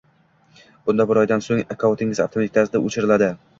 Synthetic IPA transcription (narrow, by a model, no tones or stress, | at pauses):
b̥ʊnd̪abʊɾɒjd̪ansoŋakʰawt̪ʰɪŋɪzaft̪ʰomt̪ʰʲkʲʰasɪd̪aʔot͡ʃʰɪɾɪlad̪ɪ